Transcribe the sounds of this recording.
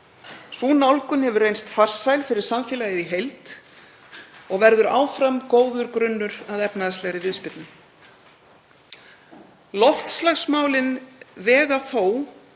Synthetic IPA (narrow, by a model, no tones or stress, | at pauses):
suːnaɔlkʏnhɛvʏrejnst̪far̥sajlfɪɾɪɾ̥saɱfɛːlajɪðiɦejlt̪ | ɔɣvɛɾðʏɾa̰ːwfɾamkoːwðʏɾkɾʏnːʏɾaðɛpnaðast̪lɛɣɾɪvɪðspɪt̪nʏ | lɔft̪slaxsmaːwlɪnvɛːɣaθoːw